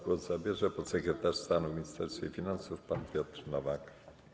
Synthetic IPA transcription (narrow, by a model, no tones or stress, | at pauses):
ɡwɔzzabʲjɛʐɛpɔt̪sɛkɾɛt̪aʂst̪anumʲiɲist̪ɛɾst̪fʲḛifʲinansufpanpʲjɔt̪rnɔvak